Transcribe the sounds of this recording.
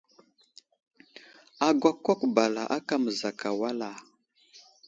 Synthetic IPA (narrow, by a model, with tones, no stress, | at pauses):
a˨ɡwa˦˨ko˦kba˨la̰˨ʔa˦ka˦mə˨za˨ka˨wa˦la˨